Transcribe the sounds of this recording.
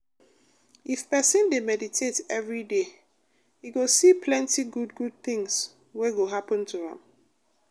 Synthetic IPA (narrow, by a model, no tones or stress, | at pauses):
ifpɛsɪ̃ndemɛditʰetɛvɹide | hiɡosipʰlɛ̃ntiɡudɡud̚θɪ̃ŋs | weɡoɦapə̃ntʰuhã̰m